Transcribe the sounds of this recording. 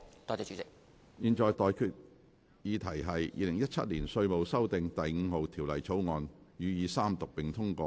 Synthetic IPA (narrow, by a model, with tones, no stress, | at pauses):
t̪ɔː˧t͡sɛː˨˧˩t͡ʃyː˨˥t͡sɪ˨k̚ | jiː˨˧nt͡ʃɔː˨˧jt̪ɔː˨˧jkʰyː˧t̚ | jiː˨˧t̪ʰɐ˨˩jɦɐ˨jjḭː˧lɪ˨˩ŋjɐ˥t̚t͡ʃʰɐ̰˥t̚liː˨˩nsɵ˧ɥmo˨wsɐ˥wt̪ɪ˨ŋt̪ɐ˨jŋ̩ː˨˧ho˨wt̪ʰiː˨˩wlɐ˨˩jt͡sʰo˨˥wŋɔː˨˧njyː˨˧jiː˨˧saː˥mt̪ʊ˨k̚pɪ˨ŋt̪ʰʊ˥ŋkɔː˧